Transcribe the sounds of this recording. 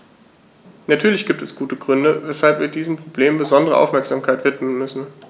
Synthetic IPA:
natʰyːɐlɪçɡ̥iːp̚tɛsɡ̥uːtəɡʁʏndəvɛshalpviːɐdiːzəmpʁ̥obleːmmbəzɔndəʁ̞ə̰ʔa̰ʊfmɛɐkz̥aːmkʰaɪtv̥ɪtmənmʏsn̩

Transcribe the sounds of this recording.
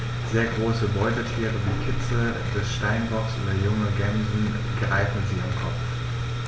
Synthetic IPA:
z̥eːɐɡʁoːsəbɔʏtəʃeːʁəviːkʰɪt͡sə | d̥ɛsʃtaɪnʁɔksʔṵːbɐjʊŋəɡɛnzn̩ | ɡ̥ʁaɪtn̩ziːamkʰɔpp͡f

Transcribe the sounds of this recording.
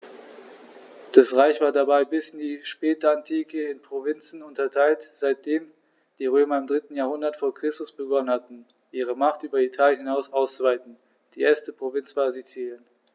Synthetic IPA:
d̥asʁaɪçv̥aːɐdabaɪbɪsɪndiːʃpɛːtəantʰiːkʰəɪnpʁ̥ovɪnt͡sn̩ʊntɐtʰaɪltz̥aɪt̚d̥eːm | d̥iːʁøːmɐɪmdʁɪtn̩jaːɐhʊndɐtfoːɐkʁ̥ɪstʊsb̥əɡɔnənhatn̩ | ʔiːʁ̞əmaχtʔyːbɐitʰaːljənhɪnaʊsʔaʊst͡suvaɪtn̩ | d̥iːʔeːɐstəpʁ̥ovɪnsv̥aːɐzit͡siːjən

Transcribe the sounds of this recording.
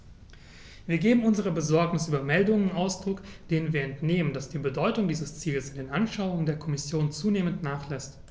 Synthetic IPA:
viːɐɡeːbm̩ʊnzəʁ̞əbəzɔɐknɪsʔyːbɐmɛldʊŋənaʊsd̥ʁʊkd̥eːnənviːɐɛntneːmənd̥asd̥iːbədɔʏtʊŋdiːzəst͡siːləsɪndeːnʔanʃaʊʊŋəndeːɐkʰɔmɪsjoːnt͡suːneːməntnaːχlɛst

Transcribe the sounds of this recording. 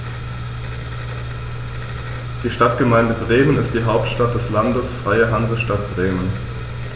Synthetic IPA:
d̥iːʃtatɡ̥əmaɪndəbʁeːmənɪst̚d̥iːɦaʊp̚tʃtat̚d̥ɛslandəsfʁ̥aɪəɦanzəʃtatb̥ʁeːmən

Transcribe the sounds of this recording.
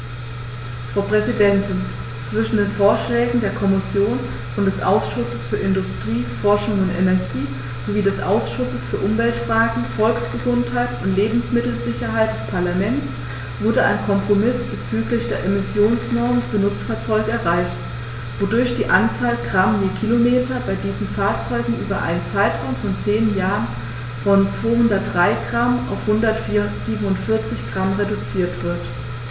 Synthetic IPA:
fʁ̥aʊpʁ̥ɛzidɛntʰɪn | t͡sv̥ɪʃn̩deːnfoːɐʃlɛːɡŋ̩deːɐkʰɔmɪsjoːn | ʊntd̥ɛsʔa̰ʊsʃʊsəsfyːɐɪndʊstʁ̥iːfɔɐʃʊŋʊntʔenɛɐɡiː | z̥oviːdɛsʔa̰ʊsʃʊsəsfyːɐʔʊmvɛltfʁ̥aːɡŋ̩fɔlksɡ̥əzʊnthaɪtʊntleːbm̩smɪtl̩zɪçɐɦaɪt̚d̥ɛspʰaɐlamɛnt͡s | v̥ʊɐdəʔa̰ɪnkʰɔmpʁ̥omɪsb̥ət͡syːklɪçd̥eːɐʔemɪsjoːnsnɔɐmənfyːɐnʊt͡sfaːɐt͡sɔʏɡəɛɐʁaɪçt | vodʊɐçd̥iːʔant͡saːlɡʁamjeːkʰilomeːtʰɐbaɪdiːzn̩faːɐt͡sɔʏɡŋ̩ʔy̰ːbɐʔa̰ɪnənt͡saɪtʁ̥aʊmfɔnt͡seːnəjaːʁən | fɔnt͡sv̥oːhʊndɐt̚dʁaɪɡ̥ʁama̰ʊfhʊndɐtfiz̥iːbm̩ʊntfɪɐt͡sɪçɡ̥ʁamʁedut͡siːɐtv̥ɪɐt

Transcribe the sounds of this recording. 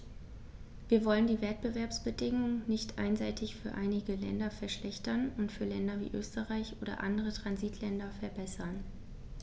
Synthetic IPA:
viːɐvɔləndiːvɛt̚b̥əvɛɐpsb̥ədɪŋʊŋənɪçtʔa̰ɪnzaɪtʰɪçfyːɐʔaɪnɪɡəlɛ̰ndɐfɛɐʃlɛçtɐnʊntfyːɐlɛndɐvḭːʔø̰ːstəʁaɪçʔoːdɐ̰ʔa̰ndəʁ̞ətʁ̥anziːtʰlɛndɐfɛɐbɛsɐn

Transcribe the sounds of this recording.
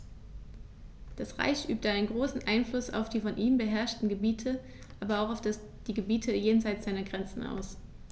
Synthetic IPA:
d̥asʁa̰ɪçʔy̰ːp̚təʔaɪnənɡʁoːsn̩ʔaɪnflʊsa̰ʊfd̥iːfɔnʔiːmbəɦɛɐʃtn̩ɡəbiːtʰə | ʔaːbɐaʊxaʊfd̥as | d̥iːɡəbiːtʰəjeːnzaɪt͡sz̥aɪnɐɡʁɛnt͡sn̩a̰ʊs

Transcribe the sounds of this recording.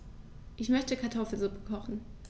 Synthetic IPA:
ʔɪçmœçtəkʰaɐtʰɔfl̩zʊpəkʰɔχn̩

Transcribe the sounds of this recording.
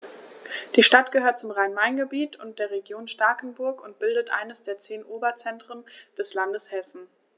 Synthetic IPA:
d̥iːʃtatɡ̥əhøːɐt̚t͡sʊmʁaɪnmaɪnɡəbiːtʊnt̚d̥eːɐʁ̞eɡjoːnʃtaɐkn̩bʊɐkʊnt̚b̥ɪldətʔa̰ɪnəsd̥eːɐt͡seːnʔoːbɐt͡sɛntʁ̥ənd̥ɛslandəshɛsn̩

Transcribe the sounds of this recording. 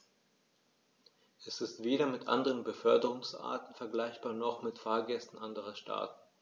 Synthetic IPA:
ʔɛsɪstv̥eːɾɐmɪtʔa̰ndəʁənbəfœɐdəʁʊŋsʔa̰ːɐtn̩fɛɐɡlaɪçb̥aːɐnɔχmɪtfaːɐɡɛstn̩ʔandəʁɐʃtʰa̰ːtn̩

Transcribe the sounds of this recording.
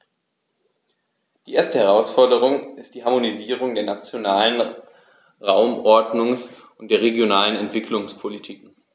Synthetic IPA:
d̥iːʔeːɐstəhɛʁ̞aʊsfɔɐdəʁ̞ʊŋɪstd̥iːɦaɐmoniziːʁ̞ʊŋdeːɐnat͡sjonaːlən | ʁaʊmʔɔɐdnʊŋs | ʊntd̥eːɐʁ̞eɡjonaːlənɛntv̥ɪkʰlʊŋspʰolitʰiːk

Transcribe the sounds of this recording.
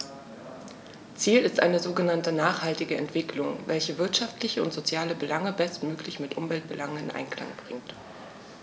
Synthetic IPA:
t͡siːlɪstʔa̰ɪnəzoːɡənantənaːχhaltɪɡəʔɛ̰ntv̥ɪkʰlʊŋvɛlçəvɪɐtʃaftlɪçəʊ̰ntz̥ot͡sjaːləbəlaŋəbɛstmøːklɪçmɪtʔʊmvɛlt̚b̥əlʔaŋənɪnʔa̰ɪnkla̰ŋb̥ʁɪŋt

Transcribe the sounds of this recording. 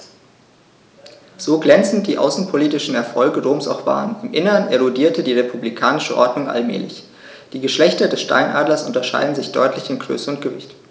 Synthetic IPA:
z̥oːɡlɛnt͡sn̩t̚d̥iːʔa̰ʊsn̩pʰoliːtɪʃn̩ɛɐfɔlɡədoːmsaʊxv̥a̰ːʁənɪmʔɪnəʁəneʁʊdiːɐtədiːʁepʰublikʰaːnɪʃəʔɔɐdnʊŋʔa̰lmɛ̰ːlɪ̰ç | d̥iːɡəʃlɛçtɐdɛsʃta̰ɪnʔaːdlɐsʔʊntɐʃa̰ɪdn̩zɪçd̥ɔ̰ʏtʰlɪçɪnɡʁø̰ːsəʊntɡ̥əvɪçt

